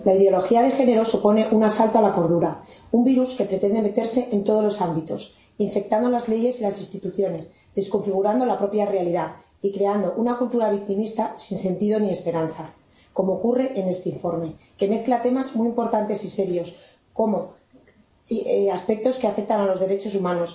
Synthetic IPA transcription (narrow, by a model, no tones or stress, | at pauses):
laiðeo̞lo̞xiað̞e̞xe̞ne̞ɾo̞supo̞ne̞ʔunasalt̪oalako̞ɾð̞uɾa | umbiɾuske̞pɾe̞t̪e̞nd̪e̞me̞t̪e̞ɾse̞ʔent̪o̞ð̞o̞zlo̞sambit̪o̞s | iɱfe̞k̚t̪and̪o̞lazle̞ʝe̞silasinst̪it̪uθjo̞ne̞s | ðe̞sko̞ɱfiɣ̞uɾand̪o̞lapɾo̞pjare̞aliða | ikɾe̞and̪o̞ʔunakult̪uɾaβ̞ik̚t̪imist̪asinse̞nt̪iðo̞nie̞spe̞ɾanθa | ko̞moːkure̞ʔene̞st̪e̞iɱfo̞ɾme̞ke̞me̞θklat̪e̞mazmwiimpo̞ɾt̪ant̪e̞sise̞ɾjo̞s | ko̞mo̞ | aspe̞k̚t̪o̞ske̞afe̞k̚t̪analo̞zðe̞ɾe̞t͡ʃo̞sumãno̞s